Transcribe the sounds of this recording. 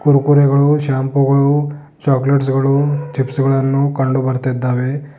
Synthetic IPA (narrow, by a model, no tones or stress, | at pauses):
kuɾkuɾeɡɐɭuʃaːmpuɡɐɭu | t͡ʃaːkleʈs̬ɡɐɭut͡ʃipsɡɐɭɐnːukɐɳɖubɐɾt̪id̪ːaːʋe